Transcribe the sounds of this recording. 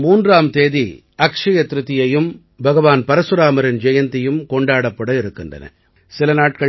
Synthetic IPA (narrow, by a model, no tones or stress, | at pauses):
muːndraːmt̪eːðḭ | ɐkʂɪjɛt̪ɾɯðɪjɐjɯm | bʱɐɣɐʋaːnpɐɾɐsʊɾaːmɐɾɪnd͡ʒɛjɐnt̪ɐjɯmkɔɳɖaːɽɐpːɐɽɐɪɾɯkːɪndrɐ̰nɐ̰ | sɪlɐnaːʈ̚kɐ